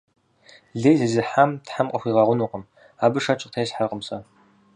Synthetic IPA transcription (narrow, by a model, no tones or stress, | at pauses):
ɮejzɨzɨħamtħamqʼəxʷiːʁɐʁʷʊnuːqəm | aːbɨʂɐt͡ʃʼɪqtʰejɕħaqəmsʼɐ